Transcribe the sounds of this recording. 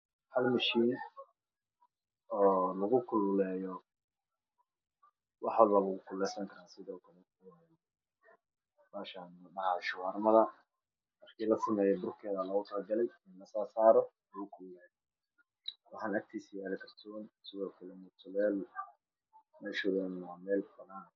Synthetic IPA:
hɐlmɐʃiːn | ɔːlɐɣʊkʰʊllɛːjɔ | wɑħwɔlbɐlɐɣʊkʰʊlɛsɐŋkʰɐɾaːsɪðɔːkʰɐlɛ | ɛ | maːʃanmɐdɐhaʃʊwarnɐðɐ | mɑrkʰiːlɐsɪmɛːjɛbʊrkʰɛːðɐlɐɣʊt̪ʰɐlɡɐlɛjɪnlɐsaːsaːɾɔlɐɣʊkʰʊllɛːjɔ | wɑħɑːnɐk̚t̪ʰiːsijaːlɛkʰɐrt̪ʰɔːnsɪðɔːkʰɐlɛmɛt̪ʰʊlɛːl | mɛːʃʊlɛnnamɛːlbɐðaːn

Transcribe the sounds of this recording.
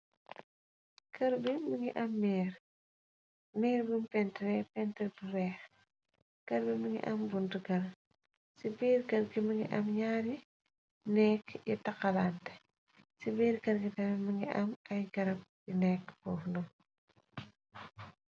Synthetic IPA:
kɐɾbiməŋiʔɐmːiːɾ | miːɾbumpɛntɾɛpɛntəlbuɾɛːx | kɐɾbiməŋḭʔɐmbuntuɡɐl | sibiːɾkɐɾɡiməŋɡḭʔɐmɲaːɾi | nɛkjitɐkːɐlantɛ̥ | sibiːɾkɐɾɡitɐmɛmɐŋɡiʔɐmɐjɡɐɾɐp̚ | inɛkbɔːfnu

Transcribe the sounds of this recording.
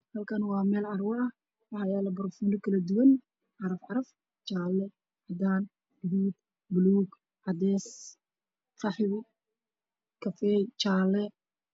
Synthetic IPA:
hɐlkʰɐnwɑːmɛːlɑrwɑɐ | wɑħɑjaːlɐbɐrfunɪkʰɐlɐd̪uwɐn | ʕɑɾɐfʕɑɾɐf | t͡ʃaːlːɛ | ʕɑd̪aːn | ɡɪðuːd̪̚ | bʊluːɡ | ʕɑd̪ɛːs | fɑħwʊ | kʰɐfɛt͡ʃaːlːɛ

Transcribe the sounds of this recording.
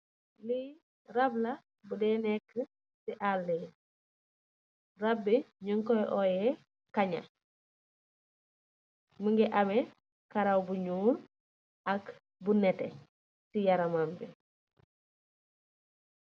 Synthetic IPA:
li | rablɐ | budɛːnɛkːə | siʔalːɛ | rabːiɲuŋkɔʔɔjɛ | kaɲa̰ | məŋɡɛʔamɛ | kaɾawbuɲuːɾ | ɐk | bunɛtɛ | sijaɾamambi

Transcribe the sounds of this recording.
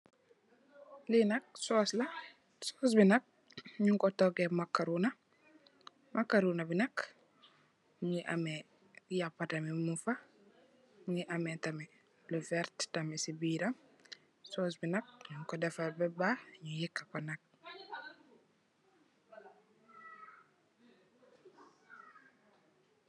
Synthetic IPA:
linɐk̚sɔslɐ | sɔsbinɐk̚ | ɲuŋkɔtɔɡɛmakːaɾunɐ | mʔakːaɾunɐbinɐk | ɲiʔamɛ | japːatɐmimufa | ɲiʔamɛtamɛ | lufɛɾttamɛsibiɾam | soːs̬binɐk̚ɲuŋkɔdɛfabɛbaɲujikːakɔnɐk̚

